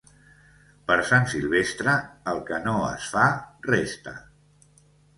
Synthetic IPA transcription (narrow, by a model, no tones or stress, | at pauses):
pəɾsansilˠβest̪ɾəːlˠkənoə̰sfarɛst̪ə̰